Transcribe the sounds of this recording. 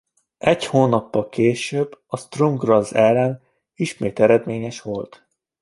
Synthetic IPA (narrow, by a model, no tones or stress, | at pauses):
ɛchoːnɒpːɒlkeːʃøbːɒst̪romɡrɒzːɛlːɛn | iʃmeːt̪ɛɾɛd̪meːɲɛʃʋo̞lt̪